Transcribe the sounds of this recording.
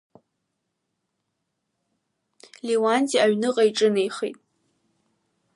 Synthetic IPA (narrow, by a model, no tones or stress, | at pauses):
liwantʼiaɥnɨqʼaiʈ͡ʂʼɨnejχḭtʼ